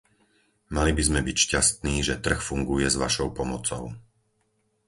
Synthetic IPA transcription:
malibizmɛbicʃcast̪niːʒɛt̪r̩xfuŋɡujɛzʋa̰ʃɔʊpɔmɔt͡sɔ̰ʊ

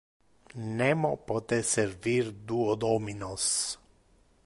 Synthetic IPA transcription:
nɛmɔpɔt̪ɛsɛɾviɾd̪uɔd̪ɔminɔs

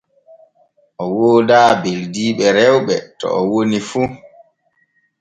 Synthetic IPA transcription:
ʔɔwoːdaːbeldiːɓɛɾɛwɓɛtɔ̰ʔɔwonifu

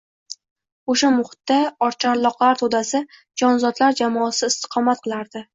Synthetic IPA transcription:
oʃamʊhɪ̥t̪ːaɒɾt͡ʃʰaɾlˠɒqlaɾt̪ʰod̪asɪ | d͡ʒɒnzɒd̪laɾd͡ʒamɒsɪɪst̪ʰɨ̥qʰɒmat̪̚qʰɨlˠaɾd̪ɪ

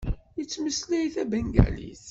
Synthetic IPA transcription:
jət͡sːməslijθæbæŋɡæ̰lḭθ

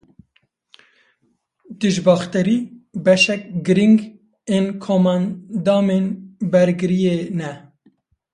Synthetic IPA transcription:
d̪̥ɨʒbɑːxt̪ɨɾiːbɛʃɛk̚ɡɨɾiŋɡ | eːnkʰomɑnd̪ɑːmeːnbɛɾɡɨɾijeːnɛ

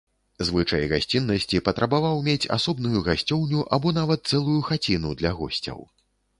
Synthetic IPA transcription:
zvɨt͡ʂɐjɣasʲt͡sʲinːɐsʲt͡sʲipɐt̪ɾʔɐbavawmʲet͡sʲa̰sɔbnujuɣasʲt͡sʲɔwnʲuʔabɔn̪avɐt̪̚sɛlˠujuxat͡sʲinud̪lʲɐɣɔ̰sʲt͡sʲɐ̰w

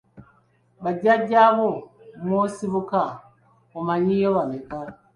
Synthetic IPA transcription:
βaɟaɟaβomosiβuka | omaɲijoβaneka

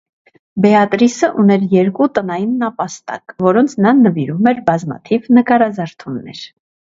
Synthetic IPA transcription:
bɛɑt̪ɾisəʔunɛɾjɛɾkut̪ənɑjinːɑpɑst̪ɑ̰kvɔɾɔnt͡sʰnɑnəviɾumɛɾbɑzmɑ̰t̪ʰivnəkɑɾɑzɑɾt̪ʰunːɛ̰ɾ

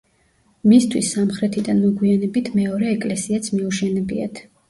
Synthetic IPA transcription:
mist̪ʰwisːamχɾɛt̪ʰid̪anmɔɡwianɛbit̪ʰmɛɔɾɛːkʼlɛsiat̪sʰmiuʃɛnɛbḭa̰t̪ʰ

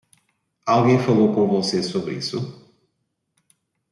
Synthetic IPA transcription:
alˠɣẽj̃fɐlˠowpoɾvosesoβɾḭsʊ

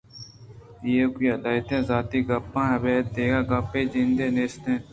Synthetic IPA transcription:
jeːkiːɐd̪aːjt̪ẽːzaːt̪iːɡɐpːãːɦɐbeːt̪̚d̪eːɡaːɡɐpːeːd͡ʒĩnd̪eːneːst̪ẽː

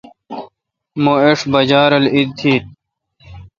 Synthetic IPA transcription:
moeʂbɐd͡ʑaːɾɐlid̪̚t̪ʰiːt̪̚

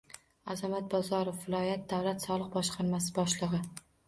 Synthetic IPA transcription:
azamat̪̚bɒzɒɾofvɪlˠɒjat̪̚d̪awlat̪sɒlˠɨqbɒʃqʰɑɾmasɪbɒʃlˠɨʁɨ

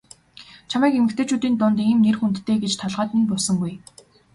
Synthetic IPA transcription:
t͡ɕʰamæːkemɘ̆xt̪ʰeːt͡ɕʰuːt̪iːnt̪ʊnt̪iːmnerxunt̪ʰːeːɡet͡ɕt̪ʰɔɮʁaːt̪nĭnpɔsɞ̆ŋɡuj

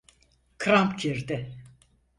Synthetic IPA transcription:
kʰɾampcʰiɾd̪ɪ

